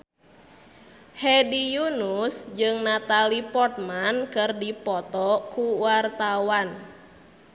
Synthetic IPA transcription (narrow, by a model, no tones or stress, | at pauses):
hɛdijunusd͡ʒɨŋnat̪alipɔrt̪̚mankɨrdipɔt̪ɔkuwart̪awan